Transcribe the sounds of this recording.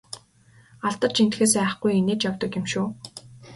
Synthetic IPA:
aɮt̪ə̆rt͡ɕin̥t̪xeːsæːχɡujeneːt͡ɕjawt̪ə̆kjɪ̆mʃuː

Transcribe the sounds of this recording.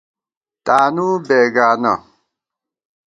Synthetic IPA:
tanubɛɡana̰

